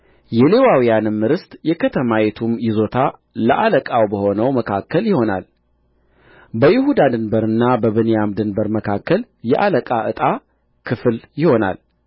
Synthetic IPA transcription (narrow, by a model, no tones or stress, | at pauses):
jɛlewawijanɨmːɨɾɨst̪ʼjɛkʰət̪ʰəmajɛt̪ʰumjɪzo̞t̪ʰaləʔaləkʼawbəho̞nəwməkʰakːəljɪho̞na̰l | bəjɪhud̪ad̪ɨnbəɾɨnːabəβɨnejamd̪ɨnbəɾməkʰakːəl | jɛʔaləkʼaʔɨt̪ʼa | kʰɨfljɪho̞na̰l